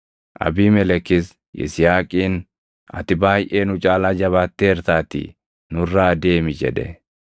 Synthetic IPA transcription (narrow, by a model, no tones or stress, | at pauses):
ʔɐ̰biːmɛlɛkːɪs | ʔɪ̰sɪjaːkʼiːn | ɐ̰t̪ɪbaːjʔeːnʊt͡ʃʼaːlaːd͡ʒɐβaːt̪ːeːɛɾt̪aːt̪ḭ | nʊrːaːd̪e̞ːmɪd͡ʒɛ̰ᶑɛ̰